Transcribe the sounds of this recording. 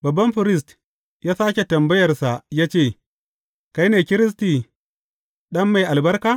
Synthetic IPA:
bɐ˨bːɐ˦mɸʊ˨ɾɪ˦˨s̬t | jaː˦saː˦kʲe˨tɐ˨mbɐ˦jɐ˨rsa˨jaː˦t͡ʃeː˦˨ | ka˦jneː˨kʲɪ˦ɾɪ˦s̬ti˨ | ɗɐ˦mːa˨jʔa˨lbɐ˦ɾkaː˦

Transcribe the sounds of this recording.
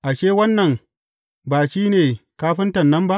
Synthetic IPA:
ʔa˨ʃeː˦wɐ˦nːɐ˨ŋ | baː˨ʃiː˦neː˨kaː˦ɸɪ˦ntɐ˨nːɐ˦mba˦ʔ

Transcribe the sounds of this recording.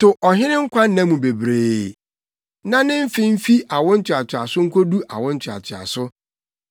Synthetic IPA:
tʊ˨ʔɔ˨ɦɪ̃˦nɪ̃˦ŋ̩˦kʷʰa˦nã˦mũ˨be˨bɾeː˨ | nã˦nɪ̃˦m̩˦fɪ̃˦m̩˦fi˦ʔa˨wʊ̃˦n̩˦tʰɪ˨a˨tʰɪ˨a˨sʊ˦ŋ̩˦kʰo˦du˦ʔa̰˨wʊ̃˦n̩˦t͡ɕʰᶣa̰˨tʰɪ˨a̰˨sʊ˦

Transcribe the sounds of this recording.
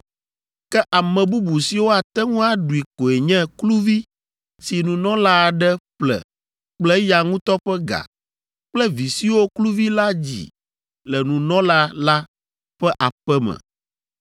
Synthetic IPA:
kɛ˦ʔa˨mɛ̃˨bu˦bu˨si˨wo˦a˨t̪ɛ˦ŋũ˦a˦ɖu˨i˨ko˨e˨ɲɛ̃˦klu˦vi˦ | si˨nũ˨nɔ̃˦la˦˨ɖɛ˦ɸlɛ̰˨ | k͡plɛ˦ja˨ŋũ˦t̪ɔ˦ɸɛ˦ɡa̰˨ | k͡plɛ˦vi˨si˦wo˦klu˦vi˦la˦d͡ʑḭ˨ | lɛ˨nũ˨nɔ̃˦la˦la˦ | ɸɛ˦ʔa˨ɸɛ˦mɛ̰̃˨

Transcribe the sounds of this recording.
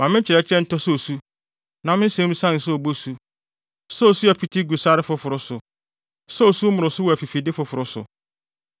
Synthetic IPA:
mã˨mɪ̃˦t͡ɕʰɪ˨ɾɛ˨t͡ɕʰɪ˦ɾɛ̃˦n̩˦tʰɔ˦sɔ˦o˨su˦ | nã˨mɪ̃˦n̩˦sɛ̃˦m̩˦sã˦n̩˨sɔ˦o˨bo˦su˦ | sɔ˦o˨su˦æ˨pʰi˦tʰi˦ɡu˨sa˦ɾɪ˦fʊ˦fʊ˨ɾʊ˦sʊ˨ | sɔ˦o˨su˦mʊ̃˨ɾʊ̃˨sʊ˦wɔ˨æ˨fi˨fi˨dɪ˦fʊ˨˦fʊ˨ɾʊ˦sʊ̰˨

